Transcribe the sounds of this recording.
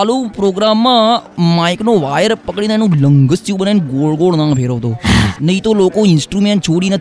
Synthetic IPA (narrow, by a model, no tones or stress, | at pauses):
aːlũːpɾoːɡɾaːmːãːmãːɪknoːʋaːjəɾpəkɽĩnɛnũːləŋɡəst̪ʰjũːɓənanɡoːlɡoːɭnãːpʰeːɾoːt̪oːnəɦĩt̪oːloːkoːɪnsʈɾuːmẽːɳʈt͡ʃʰoːɽiːnə